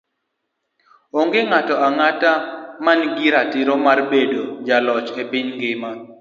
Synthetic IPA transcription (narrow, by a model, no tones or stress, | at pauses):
oŋɡeŋatɔaŋatamanɡiɾatɪɾɔmarbedod͡ʒalɔt͡ʃepiɲɡɪma